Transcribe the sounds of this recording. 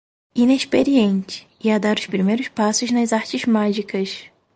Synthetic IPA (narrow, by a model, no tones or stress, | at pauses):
ineʃpeɾiẽnt͡ʃɪ̥ | iad̪aɾʊspɾimejɾʊspasʊznɐzaɾt͡ʃɪzmaʒikɐs